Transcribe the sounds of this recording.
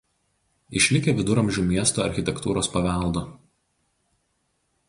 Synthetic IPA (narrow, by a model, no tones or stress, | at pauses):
ɪʃʲlʲɪkʲeʋʲɪd̪ʊɾɐmʲʒʲuːˑmʲiɛst̪oːɐɾʲxʲɪt̪ʲɛkt̪uːɾoːspɐʋʲæˑlˠd̪o